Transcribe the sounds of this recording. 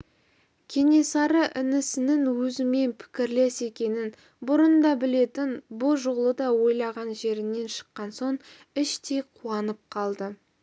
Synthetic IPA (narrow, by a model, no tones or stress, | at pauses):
kʲʰe̞ne̞sɑɾəʔɪnɪsɪnɪŋwɵzɪme̞npʰɪ̥kʲɪɾle̞se̞kʲe̞nɪn | bʊɾənd̪ɑbɪle̞t̪ɪnbʊʒoʁlˠəd̪ɑwo̞jlˠɑʁɑnʒe̞ɾɪne̞nʃə̥qːɑnso̞ɴ | ɪʃt̪ejqʰuɑnəp̚qʰɑlˠd̪ə